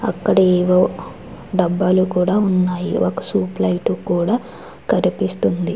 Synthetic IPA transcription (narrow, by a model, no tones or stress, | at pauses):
ɐ̰kːɐɽɐeːʋoː | ɖɐbːɐlukuːɽaːunːaːjḭʔokɐsuːplɐjʈukuːɽaː | kɐɾipist̪und̪i